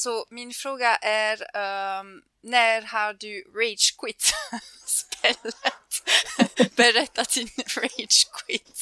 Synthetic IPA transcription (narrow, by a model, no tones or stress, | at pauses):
sominfɾoːɡaʔɛɾœ | nɛːɾhaɾd̪yːɹɛt͡ʃkwɪt̪spɛlɛt̪ | b̥ɛɾɛt̪ːat̪inɹɛt͡ʃkwɪt̪